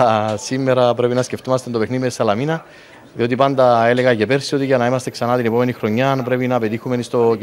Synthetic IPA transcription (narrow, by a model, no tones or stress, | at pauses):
simːeɾɐpɾe̞pinɐsce̞ft̪omɐst̪ed̪o̞pe̞xniðimesɐlɐminɐ | ðio̞t̪̬ipand̪ɐe̞leɣɐʝe̞pe̞ɾsio̞t̪iʝɐnɐimɐst̪e̞ksɐnat̪inepome̞nixɾo̞ɲːanpɾe̞pinɐpe̞t̪ixumenist̪o̞